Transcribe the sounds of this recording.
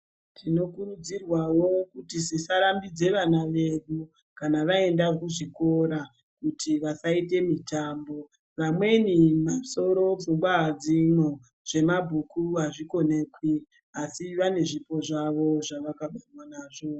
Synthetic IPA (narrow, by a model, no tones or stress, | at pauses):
tʰino̞kuɾud͡zirwawo̞kutisisaɾambid͡ze̞ʋanaʋe̞ɗu | kanaʋae̞ndakuʐiko̞ɾa | kutʰiʋasaite̞mitambo̞ | ʋamwe̞nimaso̞ɾo̞vuŋɡwad͡zino | ʐ̥e̞mabʱukuaʐiko̞ne̞kwi | asiʋane̞ʐipo̞ʐaʋo̞ʐaʋakaɓenwanaːʐo̞